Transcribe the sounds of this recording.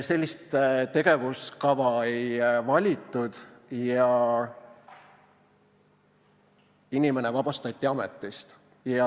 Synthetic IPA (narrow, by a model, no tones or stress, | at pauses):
se̞lʲːist̪t̪e̞ɡ̥e̞vuskɑvɑejvɑlʲit̪ːˑud̪̥jɑ | inime̞nevɑb̥ɑst̪ɑt̪ʲːˑiɑmet̪ːˑist̪ | jɑ